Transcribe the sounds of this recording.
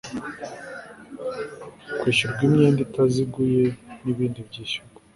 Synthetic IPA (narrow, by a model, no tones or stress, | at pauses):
kwiːʃuɾɡwimɲeːnditaziɡujeniβiːndibɟiːʃuɾɡa